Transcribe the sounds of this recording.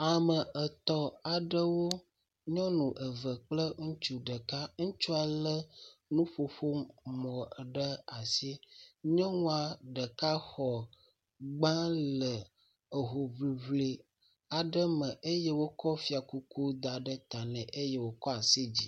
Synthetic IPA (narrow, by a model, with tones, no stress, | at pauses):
a˨mə˨ʔə˨t̪ɔ˦a˨ɖə˦wo˦ | ɲɔ̃˦nũ˨ʔə˨və˨k͡plə˦ŋũ˦t͡ʃu˦ɖə˨ka˦ŋũ˦t͡ʃu˦a˨lə˦nũ˦ɸo˨ɸo˦mɔ̃˨ɖə˦a˨si˦ɲɔ̃˦ŋũ˦a˨ɖə˨ka˦xɔ˨ | ɡ͡bã˦lə˨ | ə˨ɦo˨vli˨vli˨ | a˨ɖə˦mə̃˨ʔə˦je˦wo˦kɔ˦fi˦a˨ku˦ku˦d̪a˨ɖə˦t̪a˨nɛ̃˨ʔe˦je˦wo˨kɔ˦a˨si˦d͡ʑi˦